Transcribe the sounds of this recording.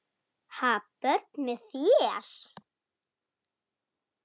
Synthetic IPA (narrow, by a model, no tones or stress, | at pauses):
hapœɾt̪̚nmɛðθjɛaɾ̥